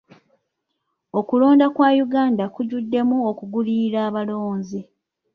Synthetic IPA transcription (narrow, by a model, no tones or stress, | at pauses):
o̞kulo̞ːndakwaːjuɡaːndakuɟudːe̞muokuɡuliɾaːβalo̞ːnzi